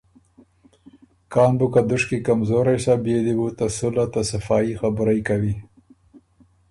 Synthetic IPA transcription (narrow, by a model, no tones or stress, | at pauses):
kɑːnbukad̪ʊʂkikamzoːɾajsabjed̪iwut̪asulat̪asafɑːixabɾajkawi